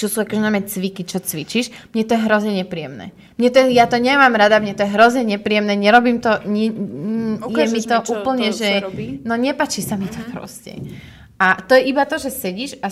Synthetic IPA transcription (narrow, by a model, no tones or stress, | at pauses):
t͡ʃɔsuːakɔʒɛnajmɛt͡sʋikit͡ʃɔt͡sʋit͡ʃiʃmɲɛt̪ɔjɛɦɾɔzɲɛɲɛpɾijɛmnɛ̰ː | mɲɛt̪ɔjɛjat̪ɔɲɛmaːmɾad̪amɲɛt̪ɔjɛɦɾɔzɲɛɲɛpɾiːjɛmnɛːɲɛɾɔbiːmt̪ɔɲɛ | jɛmit̪ɔʔuːpl̩ɲɛʒɛnɔɲɛpaːt͡ʃisamit̪ɔpɾɔ̰scɛ̰ | at̪ɔjɛʔibat̪ɔʒɛsɛɟiːʃa